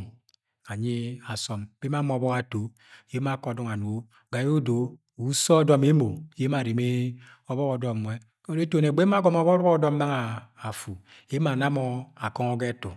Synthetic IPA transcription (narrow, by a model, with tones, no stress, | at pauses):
a˨ɲi˦a˨sɔ˨mb̥e˦m˦a˦mɔ˨bɔ˦ka˨to˨˦ | je˦ma˦˨˦kɔ˨dɔ˦ŋa˨nu˨o˦ | ɡa˨jo˦do˨ | u˨˦sɔ˦dɔ˦me˦mo˨˦e˦ma˨ɾi˨me˦ | ɔ˦bɔ˦kɔ˨dɔ˦˨mwɛ˦ | kɾe˦to˨ne˨ɡ͡be˦ma˦ɡɔ˦mɔ˨˦bɔ˦ɾɔ˦ɔ˦dɔ˦m˦a˦ŋaː˨fu˨ | e˦ma˨na˦mɔ˨a˨kɔ˦ŋɔ˦ɡɛ˦tu˨